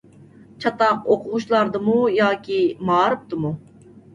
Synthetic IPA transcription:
t͡ʃʰɑt̪ɑqoqʰʊʁʊʃlˠɑɾd̪ɨmujɑːkʲimɑːɾɨp̚t̪ɨmu

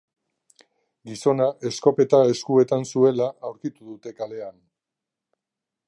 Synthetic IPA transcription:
ɡiso̞naʔe̞sko̞pe̞t̪ae̞skue̞t̪ansue̞laʔawɾkit̪uðut̪e̞kale̞an

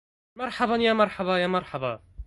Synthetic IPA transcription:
mɑɾˤħɑbɑnjaːmɑɾˤħɑbajaːmɑɾˤħɑbɑ

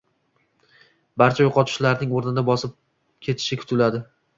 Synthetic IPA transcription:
baɾt͡ʃʰajoqʰɒt̪ʰʊ̥ʃlaɾnɪŋoɾnɪd̪abɒsɪp̚ | kʲʰe̞t̪ʰɪ̥ʃɪkʲʰʊ̥t̪ʰɪlad̪ɪ

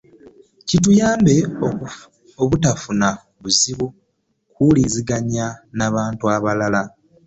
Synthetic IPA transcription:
citujaːmbe̞o | oβutafuna | βuziβu | kuliziɡaɲanaβaːntuaβalala

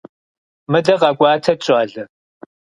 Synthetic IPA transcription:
mɨdɐʁɑɡʷɑːtʰɐt͡ʃʼaːɮɨ

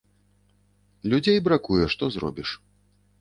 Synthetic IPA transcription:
lʲud͡zʲejbɾakujɛʂt̪ɔzrɔ̰bʲiʂ

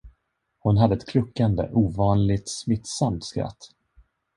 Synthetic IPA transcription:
hʊnɦad̪ːəɛt̪kʰlɵkːand̪ə̰ʔuːvɑːnlɪt̪smɪt̪ːsamt̪skɾa̰t̪ː

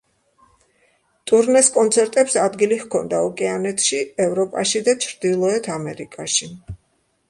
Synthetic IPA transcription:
t̪ʼuɾnɛskʼɔnt̪sʰɛɾt̪ʼɛpsad̪ɡilikʰɔnd̪aɔkʼɛanɛt̪ʰʃiɛvɾɔpʼaʃid̪at͡ʃʰɾd̪ilˠɔɛt̪ʰamɛɾikʼaʃi

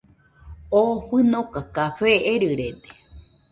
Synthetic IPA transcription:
oɸɨnõkakaɸeʔeɾɨɾet̪e̥

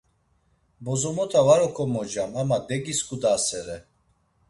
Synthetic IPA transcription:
bɔzɔmɔt̪ʰavaɾɔkʰɔmɔd͡ʒamamad̪ɛɡiskʰʼud̪asɛɾɛ

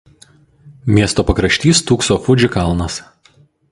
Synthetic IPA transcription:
mʲiɛst̪oːpɐkɾɐʃʲt̪ʲiːst̪uːksoːfʊd͡ʒʲɪkɐlˠnɐs

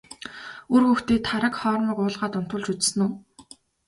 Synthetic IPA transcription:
urxɵxt̪eːt̪ʰaɾə̆kχɔːɾmə̆ːkʊːɮʁaːt̪ʊn̥t̪ʊ̆ːɮt͡ɕut͡ss̆nuː

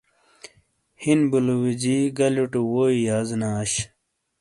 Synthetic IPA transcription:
hinbuluwid͡ʑiɡɐluʈuwoːijaːznaːɕ

